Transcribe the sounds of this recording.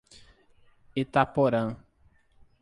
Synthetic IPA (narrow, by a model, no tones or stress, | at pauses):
et̪apɔɾãŋ